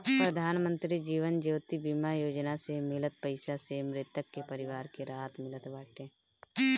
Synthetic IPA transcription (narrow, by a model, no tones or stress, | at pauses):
pɾəd̪ʱaːnmə̃nt̪ɾid͡ʒiːʋənd͡ʒoːt̪ibimajoːd͡ʒnasemɪlət̪̚pəɪsasemɾɪt̪əkːepəɾɪʋaːɾkeɾaːt̪mɪlət̪ʋaːʈẽː